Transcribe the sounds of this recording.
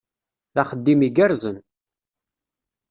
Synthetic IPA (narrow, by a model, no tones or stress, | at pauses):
θaχəd̪ːimiɡæɾzən